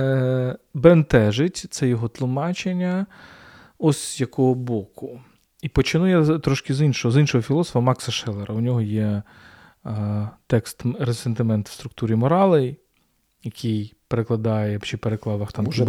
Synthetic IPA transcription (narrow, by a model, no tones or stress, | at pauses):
bent̪ɛʒɪtʲt̪sɛjɔɦɔt̪lˠʊmɑt͡ʃenʲːɐ | ɔsʲzjɐkɔɦɔbɔkʊ | ipɔt͡ʃɪnujɛt̪ɾɔʃkɪzinʃɔɦɔzinʃɔɦɔfʲilˠɔsɔ̥fɐmɑksɐʃɛlˠeɾʔɐʊnʲɔɦɔjɛ | t̪ɛkst̪ɾesent̪ɪmɛnt̪w̥st̪ɾʊk̚t̪uɾʲimɔɾɑlˠej | jɐkʰʲijpeɾeklˠɐd̪ɑjɛt͡ʃɪpeɾeklˠɑʋɐxt̪ɑm